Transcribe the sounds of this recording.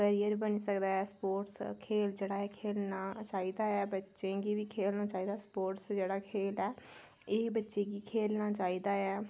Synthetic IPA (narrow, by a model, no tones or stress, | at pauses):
kəɾijəɾbəniːsəkd̪aːɛːspoːʈskʰeːld͡ʒeːɽaːɛːkʰeːlnaːt͡ʃaːiːd̪aːɛːbətːʃẽːɡiːʋiːkʰeːlnaːt͡ʃaːiːd̪aːspoːʈsd͡ʒeːɽaːkʰeːlɛː | eːbətːʃeːɡiːkʰeːlnaːt͡ʃaːiːd̪aːɛː